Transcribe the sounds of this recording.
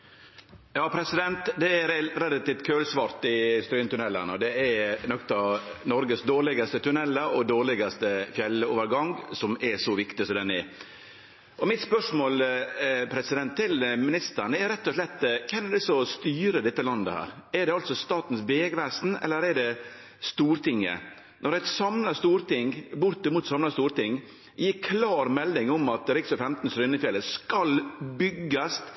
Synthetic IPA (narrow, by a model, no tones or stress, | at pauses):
jɑːpʰɾɛsɪd̪ɛnt̪d̪ɛɛɾɛɾɛlɑt̪iːft̪kʰøːlsʋɑɾt̪ɪst̪ɾyːnt̪ʉnɛlːə̰nəɔd̪ɛɛɾnɔkt̪ɑnɔɾɡəsd̪oːɭɪɡɑst̪ət̪ʰʉnɛlːəɔd̪oːɾɭɪɡɑst̪əfjɛlːəoːʋəɾɡɑŋsɔmɛsɔʋɪkt̪ɪsɔmd̪ɛnːɛ | ʔɔmɪt̪spœʂmoːlpʰɾɛsɪd̪ɛnt̪ʰːɪlmɪnɪst̪ənəɛɾɾɛt̪ːɔʂlɛt̪ːkʰɛnɛɖ̪ɛsɔst̪yːɾəd̪ɛt̪ːəlɑnd̪ə̰hæ̰ːɾɛɾɖɛɑlt̪sɔst̪ɑːt̪n̩sʋeːɡʋæːsn̩ɛ̰lːəɾɛɖɛ | st̪uːɾt̪ʰɪŋːə̰ | nɔɾæt̪sɑmnɑst̪uːɾt̪ɪŋbʊɾt̪ɪmuːt̪sɑmnɑst̪uːɾt̪ɪŋ | jiːɾkʰlɑːɾmɛld̪ɪŋʊmɑt̪ɾɪksɔfɛmt̪n̩sɾʏnːəfjɛlːəskɑlbʏɡːɑst̪